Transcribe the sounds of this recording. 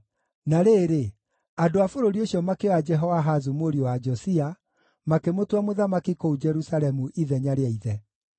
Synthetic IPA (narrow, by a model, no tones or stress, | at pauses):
naɾeːɾe | adoafoɾoɾioɕjɔmakewad͡ʒɛɦɔwaɦazumoɾiowad͡ʒɔsia | makemotwamoðamakikoud͡ʒɛɾusaɾɛmuʔiðɛɲaɾeaiðɛ